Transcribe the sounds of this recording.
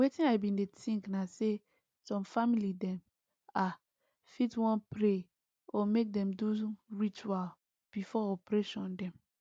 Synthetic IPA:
wetĩnaɪbĩndetĩŋknase | sɔ̃mfamilidɛ̃m | a | fitwɔ̃npɹe | ɔmek̚dɛ̃mduɹit͡ʃuwal | b̥ifɔɔpɹɛʃɔ̃ndɛ̃m

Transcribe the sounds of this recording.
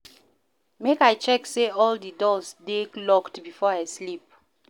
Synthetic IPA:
mekajt͡ʃɛkseɔldədɔsdeklɔktbifɔaɪslip̚

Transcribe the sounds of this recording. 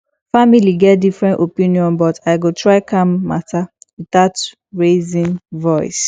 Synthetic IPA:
familiɡɛt̚difɹɛ̃ntopĩniɔ̃nbɔtaɪɡotɹaɪkãmːatawidat | ɹezĩnvɔɪs

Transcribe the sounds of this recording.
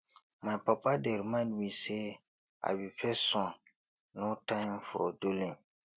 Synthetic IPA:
mãpapadɛɾimãnise | a̰bipɛsɔ̃ | nʊtãfʊɾɔ̰dolẽ

